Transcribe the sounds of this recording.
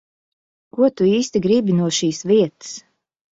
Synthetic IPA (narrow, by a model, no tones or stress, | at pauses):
kuɔt̪uiːst̪iɡɾibinuɔʃiːsviɛt̪ɨ̥s